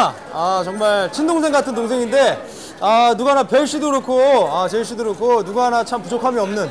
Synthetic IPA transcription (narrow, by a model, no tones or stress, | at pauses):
at͡ɕʌŋmaɭt͡ɕʰindoŋsʰe̞ŋɡatʰɯnt̬oŋsʰeŋinde̞ | anuɡanapeɭɕ͈idoɯɾokʰoat͡ɕeɭɕ͈idoɯɾɯkʰonuɡaanat͡ɕʰampud͡ʑokʰamiʌmnɯn